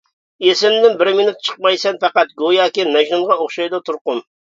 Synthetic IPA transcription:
esɪnd̪ɪnbɪɾmɪnut̪̚t͡ʃʰə̥q̚mɑjsɛnfɛqæt̪̚ɡojɑːkʲinɛʒnʊnʁɑoχʃɑjd̪ɑt̪ʰuɾqʊn

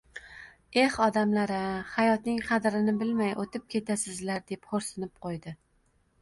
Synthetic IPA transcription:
e̞hɒd̪amlaɾahajɒt̪nɪŋqʰɑd̪ɾɪnɪbɪlmajʔot̪ʰɪp̚kʲʰe̞t̪ʰasɪzlaɾd̪e̞pχoɾsɪnɪp̚qʰojd̪ɪ

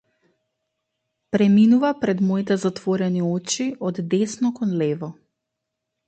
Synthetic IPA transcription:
pɾɛminuvapɾɛd̪mɔit̪ɛzat̪vɔɾɛniɔt͡ʃiʔɔd̪ːɛsnɔkɔnlɛvɔ

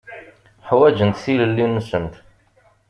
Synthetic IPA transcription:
ħwæd͡ʒənt̪θiləlːinːəsəmt̪

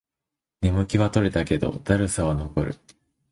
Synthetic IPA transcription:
nʲemɯ̟kʲiβat̪o̞ɾe̞t̪ake̞d̪o̞̰d̪aɾɯ̟saβano̞ko̞ɾɯ̟̰

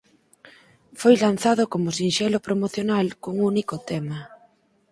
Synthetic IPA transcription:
fojlan̟θaðokomʊsinʃɛlopɾomoθjonalkoŋunikot̪ɛma

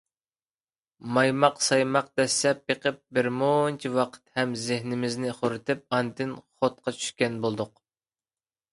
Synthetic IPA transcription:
mɑjmɑqsɑjmɑq̚d̪ɛsːɛpjeqʰəp̚bɪɾmont͡ʃʰiwɑqʰə̥t̪hɛmzɪhnɪmɪznɪχoɾɨt̪ʰɪp̚ɑnt̪ɪnχot̪̚qʰɑt͡ʃʰy̥ʃkʲɛnbolˠd̪ʊq

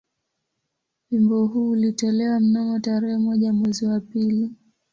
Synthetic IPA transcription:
wimbɔɦuːlitɔlɛwam̩namɔtaɾɛɦɛmɔʄamwɛziwapili

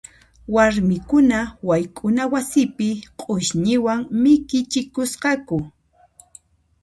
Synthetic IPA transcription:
waɾmɪkʊnawajkʼʊnawasɪpɪqʼʊʃɲɪwaŋmɪkɪt͡ʃɪkʊsqɑkʊ

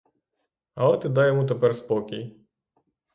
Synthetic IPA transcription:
ɐlˠɛt̪ɪd̪ɑjɔmut̪̬epɛrspɔkʲij

